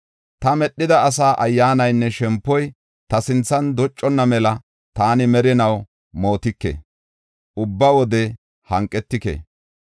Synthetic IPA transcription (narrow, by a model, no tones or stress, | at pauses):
t̪ɐmɛɗːɪd̪ɐːs̬aːʔɐjːaːnɐjnːɛʃɛmpːɔj | t̪ɐsɪnt͡sːɐnd̪ɔt͡ʃʼːɔnːɐmɛlɐ | t̪aːnɪmɛɾɪnɐw | mo̞ːt̪ɪkːḛ | ʔʊbːɐwɔd̪ɛ | hɐŋkʼːɛt̪ːɪkḛ